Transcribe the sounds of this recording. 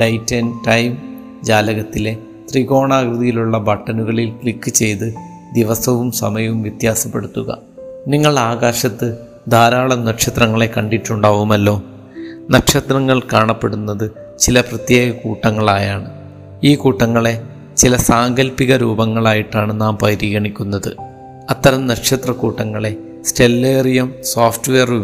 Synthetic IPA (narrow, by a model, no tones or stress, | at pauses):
ɖɐjtːɐnʈɐjm | d͡ʑaːlɐɣɐt̪ːile̞ | t̪riɣo̞ːɳaːɡrɨðijiluɭːɐbɐʈːɐnuɣɐɭilkɭikːɨt͡ɕe̞jt̪ɨ | d̪iʋɐsɐʋumsɐ̰mɐjɐʋumʋjɐt̪jaːsɐpːe̞ɽut̪ːuɣɐ̰ | niŋːɐɭaːɣaːɕɐt̪ːɨ | d̪ʱaːɾaːɭɐmnɐkʂɐt̪rɐŋːɐɭe̞kɐɳɖiʈːuɳɖaːʋumɐlːo̞ː | nɐkʂɐt̪rɐŋːɐɭkaːɳɐpːe̞ɽunːɐðɨ | t͡ɕilɐprɐt̪je̞ːɣɐkuːʈːɐŋːɐɭaːjaːɳɨ | iːkuːʈːɐŋːɐɭe̞ | t͡ɕilɐsaːŋɡɐlpiɣɐɾuːbɐŋːɐɭaːjiʈːaːɳɨnaːmpɐjɾiːɣɐɳikʲːunːɐðɨ̰ | ɐt̪ːɐɾɐmnɐkʂɐt̪rɐkuːʈːɐŋːɐɭe̞ | sʈe̞lːeːrijɐmsoːfʈʋeɐru